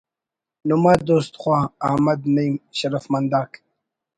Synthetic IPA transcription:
numad̪oːst̪χwɑːahmad̪nijmɕaɾafmand̪ɑːk

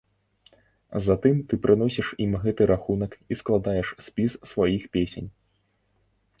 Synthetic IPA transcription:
zat̪ɨmt̪ɨpɾɨn̪ɔsʲiʂimɣɛt̪ɨɾʔaxunɐkisklˠad̪ajɛʂsʲpʲissvajixpʲesʲḛnʲ

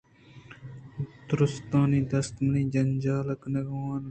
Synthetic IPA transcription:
t̪ɾʊst̪ãːniːd̪ɐst̪mɐniːd͡ʒɐnd͡ʒaːlɐknɐɡãːn

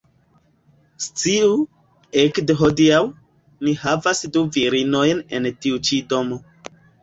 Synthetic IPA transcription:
st͡siu | ekdeɦodiaw | nihavasduviɾino̞jne̞̰ntiut͡ʃido̞mo̞

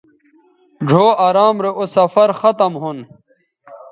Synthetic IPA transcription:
d͡ʑʱoːaːɾaːmɾeʔosɐfɐɾxɐt̪ɐmɦun

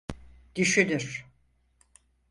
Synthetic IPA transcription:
d̪̥yʃylʲyɾ̥

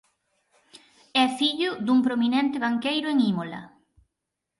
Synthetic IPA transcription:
ɛfiʎʊd̪uŋpɾominɛ̃nt̪ɪβ̞aŋkejɾʊeŋimolɐ̰

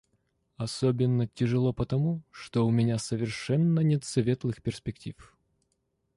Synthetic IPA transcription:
ɐsobʲɪnːətʲɪʐɨlˠopət̪ɐmuʂt̪oʊmʲɪnʲasəvʲɪrʂɛnːənʲɛt̪sɐvʲet̪lˠɨxpʲɪrsʲpʲɪktʲif

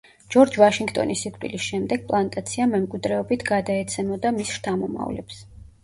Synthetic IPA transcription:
d͡ʒ̥ɔɾd͡ʒvaʃiŋɡt̪ʼɔ̰nisikʼt̪ʼwḭlisʃɛmd̪ɛɡ̥̚pʼlˠant̪ʼat̪sʰiamɛmkʼwid̪ɾɛɔbit̪ʰɡad̪aɛt̪sʰɛmɔd̪amisʃt̪ʰamɔma̰vlɛ̰ps

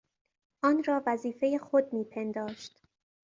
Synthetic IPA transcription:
ʔɒːnɾɒːvæziːfe̞jexod̪̚miːpʰe̞nd̪ɒːʃt̪

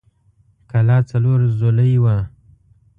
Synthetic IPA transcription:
kalɑt͡saloɾzoləjwa

